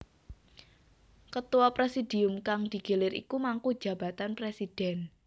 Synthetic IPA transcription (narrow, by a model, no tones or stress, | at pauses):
kət̪uwɔpɾesid̥i̤ʊmkaŋd̪̥i̤ɡ̥elɪɾḭkumaŋku̥d͡ʒ̥ä̤b̥a̤t̪anpɾesid̥ɛn